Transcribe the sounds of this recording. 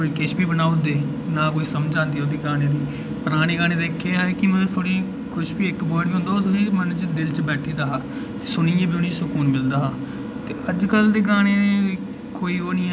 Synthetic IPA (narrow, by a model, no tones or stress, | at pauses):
koːiːkɪʃbiːbənaːud̪eː | naːkoːiːsəmd͡ʒãːnd̪iːod̪iːɡaːɽ̃eːd̪iː | pəɾaːñiːɡaːñeːd̪eːkʰːeːɦaːkɪmɛnũːt̪ʰoːɽiː | kʊʃbiːɪkbɔːɖbiɦʊ̃nd̪aːʊsliːməñːt͡ʃd̪ɪlt͡ʃbɛːʈʰiːd̪aːɦaː | t̪e̥ːsʊniːjẽːbiʊnĩːsʊkuːnmɪld̪aːɦaː | t̪eːʔəd͡ʒkəld̪eːɡaːɽ̃eːe | koːiːoːniː